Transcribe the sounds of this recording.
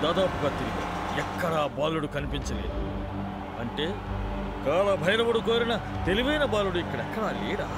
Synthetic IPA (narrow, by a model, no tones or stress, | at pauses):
d̪aːd̪aːpuɡaːt̪iɾiɡɐ̰ː | ɛkːɐɽɐːbaːluɽukɐnipiɲt͡ʃɐlḛːd̪u | ɐɳʈe̞ː | kaːlɐbʱɐjɾɐbɐɽukoːɾinɐ | t̪eliʋɐjnɐbaːluɽuikːɐɽɛkːɐɽɐleːɽaː